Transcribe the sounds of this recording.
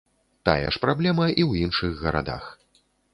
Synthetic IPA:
t̪a̰jɛ̰ʂpɾablʲɛmɐʔiwinʂɨɣɣɐɾa̰d̪a̰x

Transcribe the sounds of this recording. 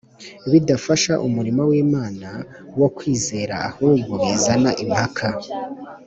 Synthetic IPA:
βidafaʃaʔumuɾimawiːmaːna | wo̞kwiːze̞ːɾa̰ːhuːɡuezanaʔimhakʰa

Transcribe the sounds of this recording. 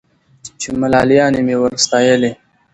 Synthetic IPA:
t͡ʃemalɑːlijɑːnemewəɾst̪ɑːjəli

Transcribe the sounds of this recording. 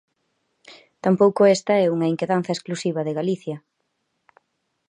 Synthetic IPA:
t̪ampowkʊest̪ɐɛuŋɐeŋkeðan̟θɐesklusiβ̞ɐðeɣaliθjɐ

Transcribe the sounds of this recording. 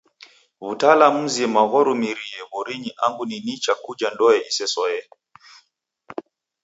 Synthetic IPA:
βutalamuziɛmaɣɔɾumiɾiɛβɔɾiɲiʔaŋɡuninit͡ʃakud͡ʒandɔɛʔisɛsɔɛ

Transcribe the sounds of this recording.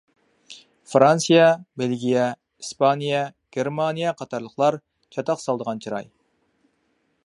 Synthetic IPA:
fɾansijɑbelɡʲijɛ | ispʰɑnijɑɡ̥ʲeɾmɑnijɑqʰɑt̪ʰɑɾlˠəqlˠɑɾ | t͡ʃʰɑt̪ʰɑqsɑlˠd̪əʁɑnt͡ʃʰiɾɑ̰j

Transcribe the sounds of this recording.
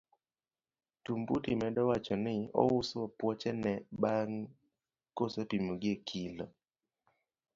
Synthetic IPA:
tumbutimɛdɔwat͡ʃɔnɪɔ̰wʊsoɔpwɔt͡ʃɛnɛbaŋ | kosɛpimoɡiekʰilɔ

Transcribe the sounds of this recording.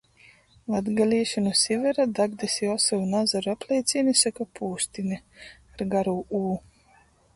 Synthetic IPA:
vad̪ɡalʲiːʃanusʲivʲɛɾad̪aɡd̪esijɔsɔvunazaɾuaplʲɛjt̪sʲinisakapʰuːsʲt̪iniaɾɡaɾuːuː

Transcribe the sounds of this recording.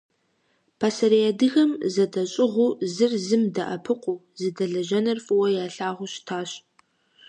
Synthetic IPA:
pʰasɐɾiadɨɣɐmzɐdɐɕʼɪʁʷuːzɨrzɨmdɐ̰ʔɐ̰pʰɨqʷʼuː | zɨdɐɮɐʒɐnɐrfʼɨwɐjaːɬaːʁʷʊɕtʰaːɕʼ

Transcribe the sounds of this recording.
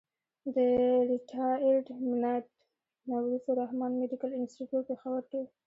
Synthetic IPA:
d̪əɾiʈʰɑelɖmɪlajt̪ | nawɾifoɾahmɑnmeɖikalɪnsʈiʈjuʈ̚pexawəɾk̪e

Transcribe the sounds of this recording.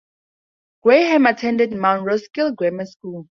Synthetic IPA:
ɡ̥weɦɛ̃matʰɛ̃ndɛdmãnɹoskilɡwɛməskul

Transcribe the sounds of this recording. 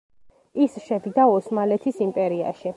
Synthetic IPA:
isʃɛd̪id̪aɔsmalɛt̪ʰisimpʼɛɾia̰ʃi

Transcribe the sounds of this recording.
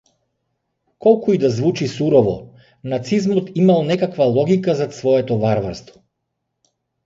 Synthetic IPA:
kɔlˠkuid̪azvut͡ʃisuɾɔvɔ | nat̪sizmɔt̪imalˠnɛkakvalˠɔɡikazat̪svɔɛt̪ɔvaɾvaɾst̪vɔ̥

